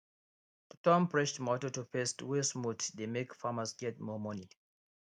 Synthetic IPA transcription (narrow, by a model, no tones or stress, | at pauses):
tɔ̃mpɹɛʃtmɔtotupɛstwismutdemekfamasɡɛt̚mɔmɔni